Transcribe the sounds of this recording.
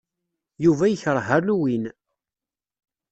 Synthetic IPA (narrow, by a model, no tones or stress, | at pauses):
juvæjəçəɾˤɦərluwin